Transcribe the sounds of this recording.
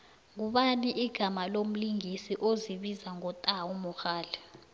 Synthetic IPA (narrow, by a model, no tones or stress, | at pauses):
ŋuɓaniʔiɡ̥ʱamalom̩liŋisiʔoziɓizaŋɔtʼaumɔxaːlɛ